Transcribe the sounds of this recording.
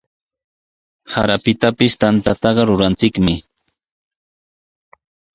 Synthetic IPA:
ha̰ɾapɪt̪apɪst̪ant̪at̪ɑɢɑɾʊɾant͡sɪkmɪ

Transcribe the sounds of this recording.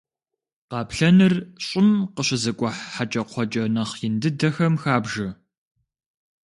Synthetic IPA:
qɑːpɬɐnɨrɕʼɪmqəɕɪzɐkʷʼɔħħat͡ʃʼɐqʷʰɔt͡ʃʼɐnɐχjɪndɨdɐxɐmxaːbʒɐ

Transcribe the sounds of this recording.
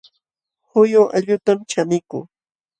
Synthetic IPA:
hʊjʊʔaʎʊt̪amt͡ʃamɪkṵː

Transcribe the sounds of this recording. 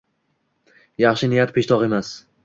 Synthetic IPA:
jɑχʃɪnɪjat̪pʰeʃt̪ʰɒqe̞mas

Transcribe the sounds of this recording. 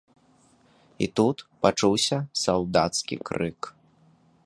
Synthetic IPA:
ḭt̪ut̪pat͡ʂuwsʲɐsawd̪at̪skʲḭkɾɨk

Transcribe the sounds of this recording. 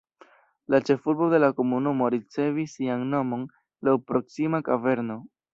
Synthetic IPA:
lat͡ʃe̞fuɾbo̞de̞lako̞munumo̞ɾit͡se̞visːianno̞mo̞n | lawpɾo̞ksimakave̞ɾno̞

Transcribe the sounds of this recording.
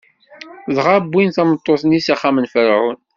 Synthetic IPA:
ðʁabːinθæmət̪ˤːoθnisaχːamənfəɾən

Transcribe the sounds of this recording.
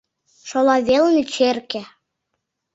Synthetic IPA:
ʃolɑβelənyt͡ɕerkĕ

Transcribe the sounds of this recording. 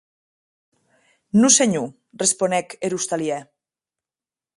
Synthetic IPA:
nuseɲu | responɛkeɾust̪aliɛ

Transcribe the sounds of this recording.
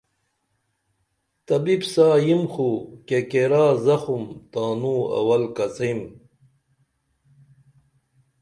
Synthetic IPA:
t̪ɐbibsaːjimxukekeɾaːzɐxumt̪aːnuɐ̰wɐlkɐt͡sɐim

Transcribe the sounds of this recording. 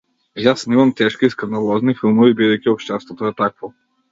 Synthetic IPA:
jasnimɐmt̪ɛʃkiskɐnd̪alˠɔznifilˠmovibid̪ɛjkʲioʃt̪ɛst̪vot̪oɛt̪akvo

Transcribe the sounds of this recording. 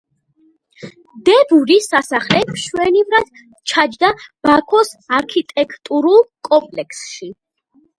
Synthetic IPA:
d̪ɛbuɾisasaχlɛpʃwɛnivɾad̪̥ | t͡ʃʰad͡ʒd̪ab̥akʰɔsaɾkʰit̪ʼɛkʰʼt̪ʼuɾulˠkʼɔmpʼlɛkʰsʃi

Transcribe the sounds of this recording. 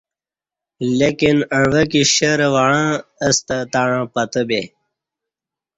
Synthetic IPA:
lekinə̃ɳʋəkiɕəɾʋaɻãəst̪at̪aɻãpət̪əbe

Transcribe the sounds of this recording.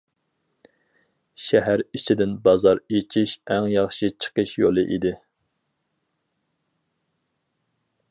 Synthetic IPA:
ʃɛɦæɾit͡ʃʰid̪ɪnbɑzɑɾet͡ʃʰiʃæŋjɑχʃit͡ʃʰə̥qəʃjolˠɨʔid̪ɪ

